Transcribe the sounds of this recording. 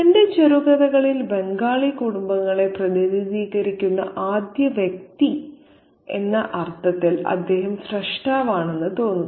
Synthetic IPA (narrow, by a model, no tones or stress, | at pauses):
ende̞t͡ɕeɾuɣɐðɐɣɐɭilbe̞ŋɡaːɭikuɽumbɐŋːɐɭe̞prɐðiðiðiːɣɐɾikʲːunːɐ̰ʔaːd̪jɐʋjek̚t̪i | e̞nːɐʔɐrt̪ʰːɐt̪ːilɐ̰d̪ːe̞ːɦɐmsreʂʈaːʋaːɳe̞nːɨt̪o̞ːnːu